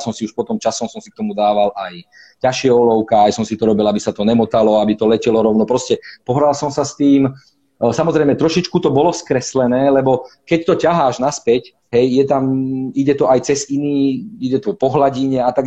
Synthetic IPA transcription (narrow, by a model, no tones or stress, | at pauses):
sɔmsiuʃpɔt̪ɔmt͡ʃasɔmsɔmsi̥kt̪ɔmud̪aːʋalʔaj | caʃɪɛɔlɔʊkaajsɔmsit̪ɔɾɔbilabisat̪ɔnɛmɔt̪alɔabit̪ɔlɛcɛlɔɾɔʊnɔpɾɔscɛpɔɦɾalsɔmsast̪iːm | samɔzɾɛjmɛt̪ɾɔʃit͡ʃkut̪ɔbɔlɔskɾɛslɛnɛːlɛbɔkɛct̪ɔcaɦaːʒnaspɛc | ɦɛjːɛt̪amiɟɛt̪ɔʔajt͡sɛziniːiɟɛt̪ɔpɔɦlaɟiɲɛat̪aɡ